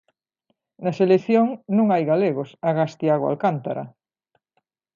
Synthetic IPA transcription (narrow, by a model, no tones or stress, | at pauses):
nɐselekθjoŋnũŋajɣaleɣosaɣast̪jaɣoa̰lkant̪aɾa̰